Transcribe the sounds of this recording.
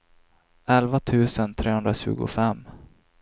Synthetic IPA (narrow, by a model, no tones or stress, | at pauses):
ɛlvat̪ʰʉ̟ːsənt̪ʰɾeːɵnd̪ɾaɕʉ̟̰ːɡʊ̰fɛmː